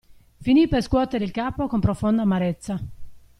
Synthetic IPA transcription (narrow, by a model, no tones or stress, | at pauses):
finiperskwɔt̪eɾeilkaːpokompɾofond̪amaɾet̪sːa